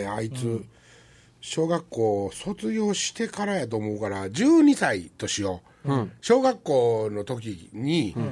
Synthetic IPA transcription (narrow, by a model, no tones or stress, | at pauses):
ait͡sɨ | ɕo̞ːɡakːo̞ːso̞t͡sɨɡʲo̞ːɕi̥t̪e̞kaɾajat̪̬oːmo̞ɯkaɾad͡ʑɨːɲ̟isait̪o̞ɕijo̞ | ɕo̞ːɡakːo̞ːno̞t̪o̞k̬ʲiɲ̟i